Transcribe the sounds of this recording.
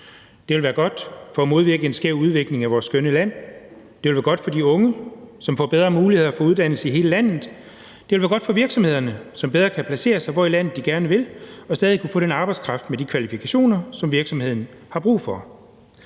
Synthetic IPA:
d̥e̝ʋe̝lʋæːɐɡ̥ɒ̽d̥fɒ̽ːmo̝ð̞ˠʋiɐɡ̥əe̝nsɡ̥eɐ̰ʊ̰uð̞ˠʋe̝ɡ̥le̝ŋæʋɒːsːɡ̥ønəlæn̰ | d̥e̝ʋelʋæːɐɡ̥ɒ̽d̥fɒ̽diɔ̽ŋəsɒ̽mfɒ̰ːb̥eð̞ˠʁɐːmuːlihe̝ð̞̰ˠɐfɒ̽uð̞ˠd̥æn̰l̩səiɦe̝ːləlæn̰ð̩ˠ | d̥e̝ʋel̩æɐɡ̥ɒ̽d̥fɒ̽ʋiɐɡ̥sɒ̽me̝ð̰ˠɐnəsɒ̽mb̥eðˠʁɐːkʰæpʰlæse̝̰ːɐsɑ̈ɪʋɒilæn̰ð̩ˠd̥iɡ̥æɐnəʋe̝lɒ̽sd̥ɛːð̞ˠikʰufɔ̽d̥enɑ̈ːb̥ɑ̈ɪ̥skʰʁɑ̈fd̥med̥ikʰʋælifikʰæɕo̝̰ːnɐsɒ̽mʋiɐɡ̥sɒ̽mhe̝ð̞̰ˠn̩ | hɑ̈b̥ʁṵːfɒ̽

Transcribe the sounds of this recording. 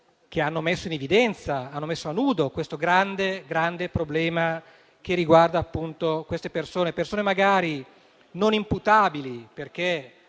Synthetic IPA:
k̟eanːomesːoinevid̪ɛnt̪saanːomesːoanuːd̪okwest̪oɡɾand̪eɡɾand̪epɾoblɛːma | kerːiɡward̪aːpːunt̪okwest̪epersoːnepersoːnemaɡaːɾi | nonimput̪aːbiliperk̟e

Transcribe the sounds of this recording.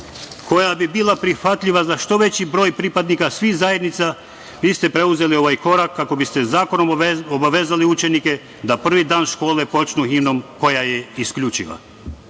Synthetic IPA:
ko̞jabibiːlˠapɾixʋat̪ʎiʋazaʃt̪o̞ʋe̞t͡ɕibɾo̞ːjpɾipad̪nikasʋixzaje̞d̪nit̪sa | ʋiːst̪e̞pɾe̞uze̞lio̞ʋajko̞ɾakːako̞bist̪ezaːko̞nomobaʋezaliut͡ʃe̞nike | d̪apr̩ʋid̪aːnʃko̞ːle̞po̞t͡ʃnuɦino̞mko̞jajeiskʎut͡ʃḭʋa̰

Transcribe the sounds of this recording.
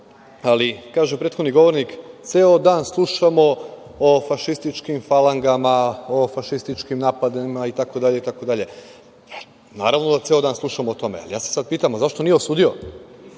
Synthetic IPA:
alikaːʒepɾet̪xod̪niɡo̞ʋo̞ɾnikt̪seːod̪aːnslˠuʃamo̞ofaʃist̪it͡ʃkimfalˠaŋɡamaofaʃist̪it͡ʃkimnaːpad̪imait̪ako̞d̪aʎe̞it̪ako̞d̪aʎe̞ | pa | na̰ːɾaʋnod̪at̪seod̪aːnslˠuʃamoot̪o̞me̞̰a̰lijaːse̥sad̪piːt̪amozaʃt̪o̞nijeosuːd̪io̞

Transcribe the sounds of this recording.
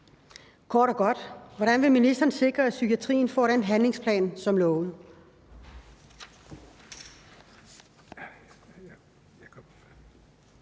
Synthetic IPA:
kʰɒːɾɒɡ̥ɒ̽d̥ʋɒɾ̥ænʋe̝minisd̥ɐːn̩se̝ɡ̥ʁɐæsykʰiæt͡sʰʁḭːn̩fɒ̰ːɾenɦænle̝ŋspʰlɛ̰ːnsɒ̽mlɔːʊn̩

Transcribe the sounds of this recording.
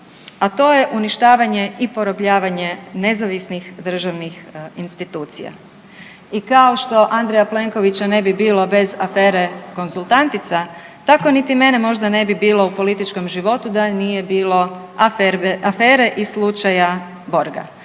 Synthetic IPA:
at̪o̞ːje̞ʔuniʃt̪aːʋaɲe̞ipo̞ɾopʎaːʋaɲe̞ne̞zaʋisnixd̪r̩ʒaʋnixinst̪it̪uːt̪sḭja̰ | ikao̞ʃt̪o̞ʔand̪ɾejaple̞ŋko̞ʋit͡ɕane̞bibiːlo̞be̞zafeːɾe̞ko̞nzulˠt̪ant̪it̪sa | t̪ako̞nit̪ime̞nemo̞ʒd̪ane̞bibiːlˠo̞upo̞lit̪it͡ʃko̞mʒiʋo̞t̪ud̪anije̞biːlˠo̞ | afeːɾe̞ʔislˠut͡ʃaja | bo̞ɾɡa̰

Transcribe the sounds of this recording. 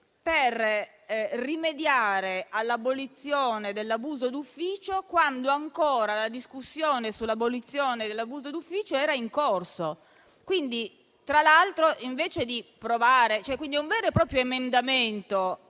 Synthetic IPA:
per | rimed̪jaːɾealːabolit̪sːjoːned̪elːabuːzod̪ufːiːt͡ʃokwand̪oaŋkoːɾalad̪iskusːjoːnesulːabolit̪sːjoːned̪elːabuːzod̪ufːiːt͡ʃoɛːɾaiŋkorso | kwind̪i | t̪ɾalalt̪ɾoʔiɱveːt͡ʃed̪ipɾovaːɾet͡ʃoɛkwind̪iuɱvɛːɾopɾɔːpɾjoemend̪ament̪o

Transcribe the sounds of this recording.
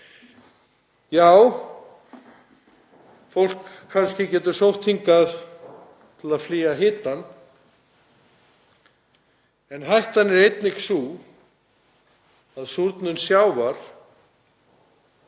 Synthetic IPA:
jaːw | fowl̥kʰːanscɪcɛːt̪ʏ̥sowht̪hiŋkað | t̪ʰɪlaðfliːaɦɪːt̪an | ɛnɦajht̪anɛɾejt̪nɪksuː | aðsuɾt̪nʏnsjaːwvaɾ̥

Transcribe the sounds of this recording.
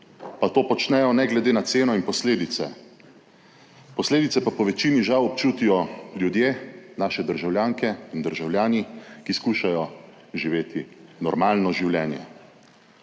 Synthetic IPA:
pat̪oːpɔt͡ʃnɛjɔnɛɡlɛd̪eːnat̪seːnɔinpɔsleːd̪it̪sɛ̰ | pɔsleːd̪it̪sɛpapɔʋɛt͡ʃiːniʒawɔpt͡ʃuːt̪ijɔlʲjud̪jeːnaːʃɛd̪əɾʒawljaːŋkɛind̪əɾʒawljaːnikiskuːʃajɔ | ʒiʋeːt̪inɔɾmaːlnɔʒiwljɛːnjɛ̰

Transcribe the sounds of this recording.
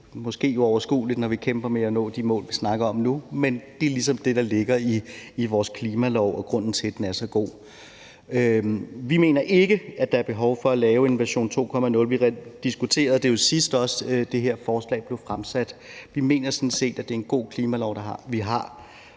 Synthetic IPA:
mɔ̽sɡ̥e̝̰ːjo̝ɒʊɐsɡ̥ṵːlid̥nɒʋikʰemb̥ɐmeænɔ̰̽ːd̥imɔ̰̽ːlʋisnɑ̈ɡ̥ɐɒ̽mnumend̥e̝æɐlis̬ɒ̽md̥e̝ɾ̥ɑ̈le̝ɡ̥ɐiːʋɒːskʰliːmælɒʊɒ̽ɡ̥ʁɔ̽n̰n̩t͡sʰe̝d̥enæɐsɒ̽ɡ̥o̝̰ː | øʋime̝̰ːnɐʔe̝ɡ̥əæd̥ɑ̈æɐb̥e̝ɦɒʊfɒ̽ælɛːʊe̝nʋæɐɕo̝̰ːnt͡sʰo̝̰ːkʰɒ̽mænɔ̽lʋiʁɛd̥isɡ̥ut͡sʰe̝̰ːɐð̩ˠd̥e̝josisd̥ɒ̽sd̥e̝ɦe̝ɐ̰fɒːslɛ̰ːb̥le̝ʊfʁamsæd̥ʋime̝̰ːnɐsɒ̽nn̩se̝̰ːd̥æd̥e̝ɐenɡ̥o̝̰ːkʰliːmælɒʊ̰ɾ̥ɑ̈ɑʋiɦɑ̈

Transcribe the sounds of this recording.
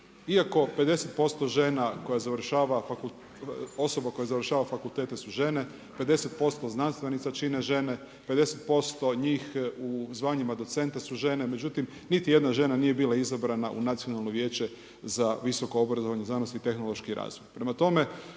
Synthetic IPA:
iako̞pe̞d̪e̞se̞t̪̚po̞st̪o̞ʒe̞nako̞jazaʋɾ̩ʃaːʋafakul | o̞so̞bako̞jazaʋr̩ʃaːʋafakulˠt̪eːt̪esuʒe̞ne̞ | pe̞d̪e̞se̞t̪̚po̞st̪o̞znanst̪ʋe̞nit̪sat͡ʃineʒe̞ne̞ | ped̪e̞set̪̚po̞st̪o̞ɲiːxuzʋaɲimad̪o̞t̪se̞nt̪asuʒe̞ne̞me̞d͡ʑut̪im | nit̪ije̞d̪naʒe̞nanije̞biːlaizabɾanaʔṵnat̪sijonalˠno̞ʋje̞ːt͡ɕe̞ | zaʋiso̞ko̞obɾazoʋaɲezanost̪it̪e̞xnolˠo̞ʃkiɾa̰ːzʋojpɾemat̪o̞me̞

